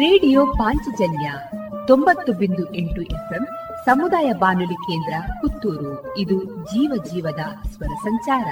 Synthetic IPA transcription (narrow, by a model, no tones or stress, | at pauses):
ɾeːɽijoːpaːɲt͡ʃid͡ʒɐnjat̪o̞mbɐt̪ːubind̪uʔeɳʈuʔepʰem | sɐmud̪aːjɐbaːnulikeːnd̪ɾɐkut̪ːuːɾuid̪ud͡ʒiːʋɐd͡ʒiːʋɐd̪ɐsʋɐɾɐsɐɲt͡ʃaːɾɐ